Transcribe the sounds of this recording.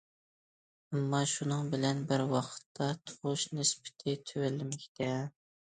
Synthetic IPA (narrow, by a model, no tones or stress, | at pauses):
ɛmːɑʃunɨŋbɪlɛnbɪɾwɑqʰə̥t̪ʰːɑt̪ʰoʁʊʃnɪspɪ̥t̪ʰɪt̪ʰøwɛlːɪmɪkʲt̪ʰɛ